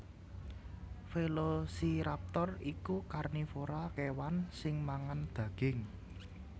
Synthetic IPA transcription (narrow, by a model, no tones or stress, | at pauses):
felosiɾap̚t̪ɔrikukarnifoɾakewansɪŋmaŋand̪̥ä̤ɡ̥ɪ̤ŋ